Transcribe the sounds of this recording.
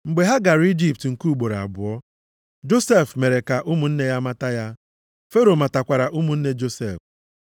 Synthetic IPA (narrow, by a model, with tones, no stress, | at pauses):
ŋ͡m̩˨ɡ͡be˨ɦa˦ɡa˨ɾi˦d͡ʒi˦p̚tŋ̩˨ku˦˨ɡ͡bo˨ɾa̰˨bʊ˨ɔ˦ | d͡ʒo˦se˦˨fme˨ɾe˨ka˨ʔʊ˦mu˨n̩˦ne˦ja˦ma˦ta˦ja˦ | fe˦ɾo˨ma˨ta˨kʷa˨ɾa˨ʔu˦mu˨n̩˦ne˦d͡ʒo˦se˦˨f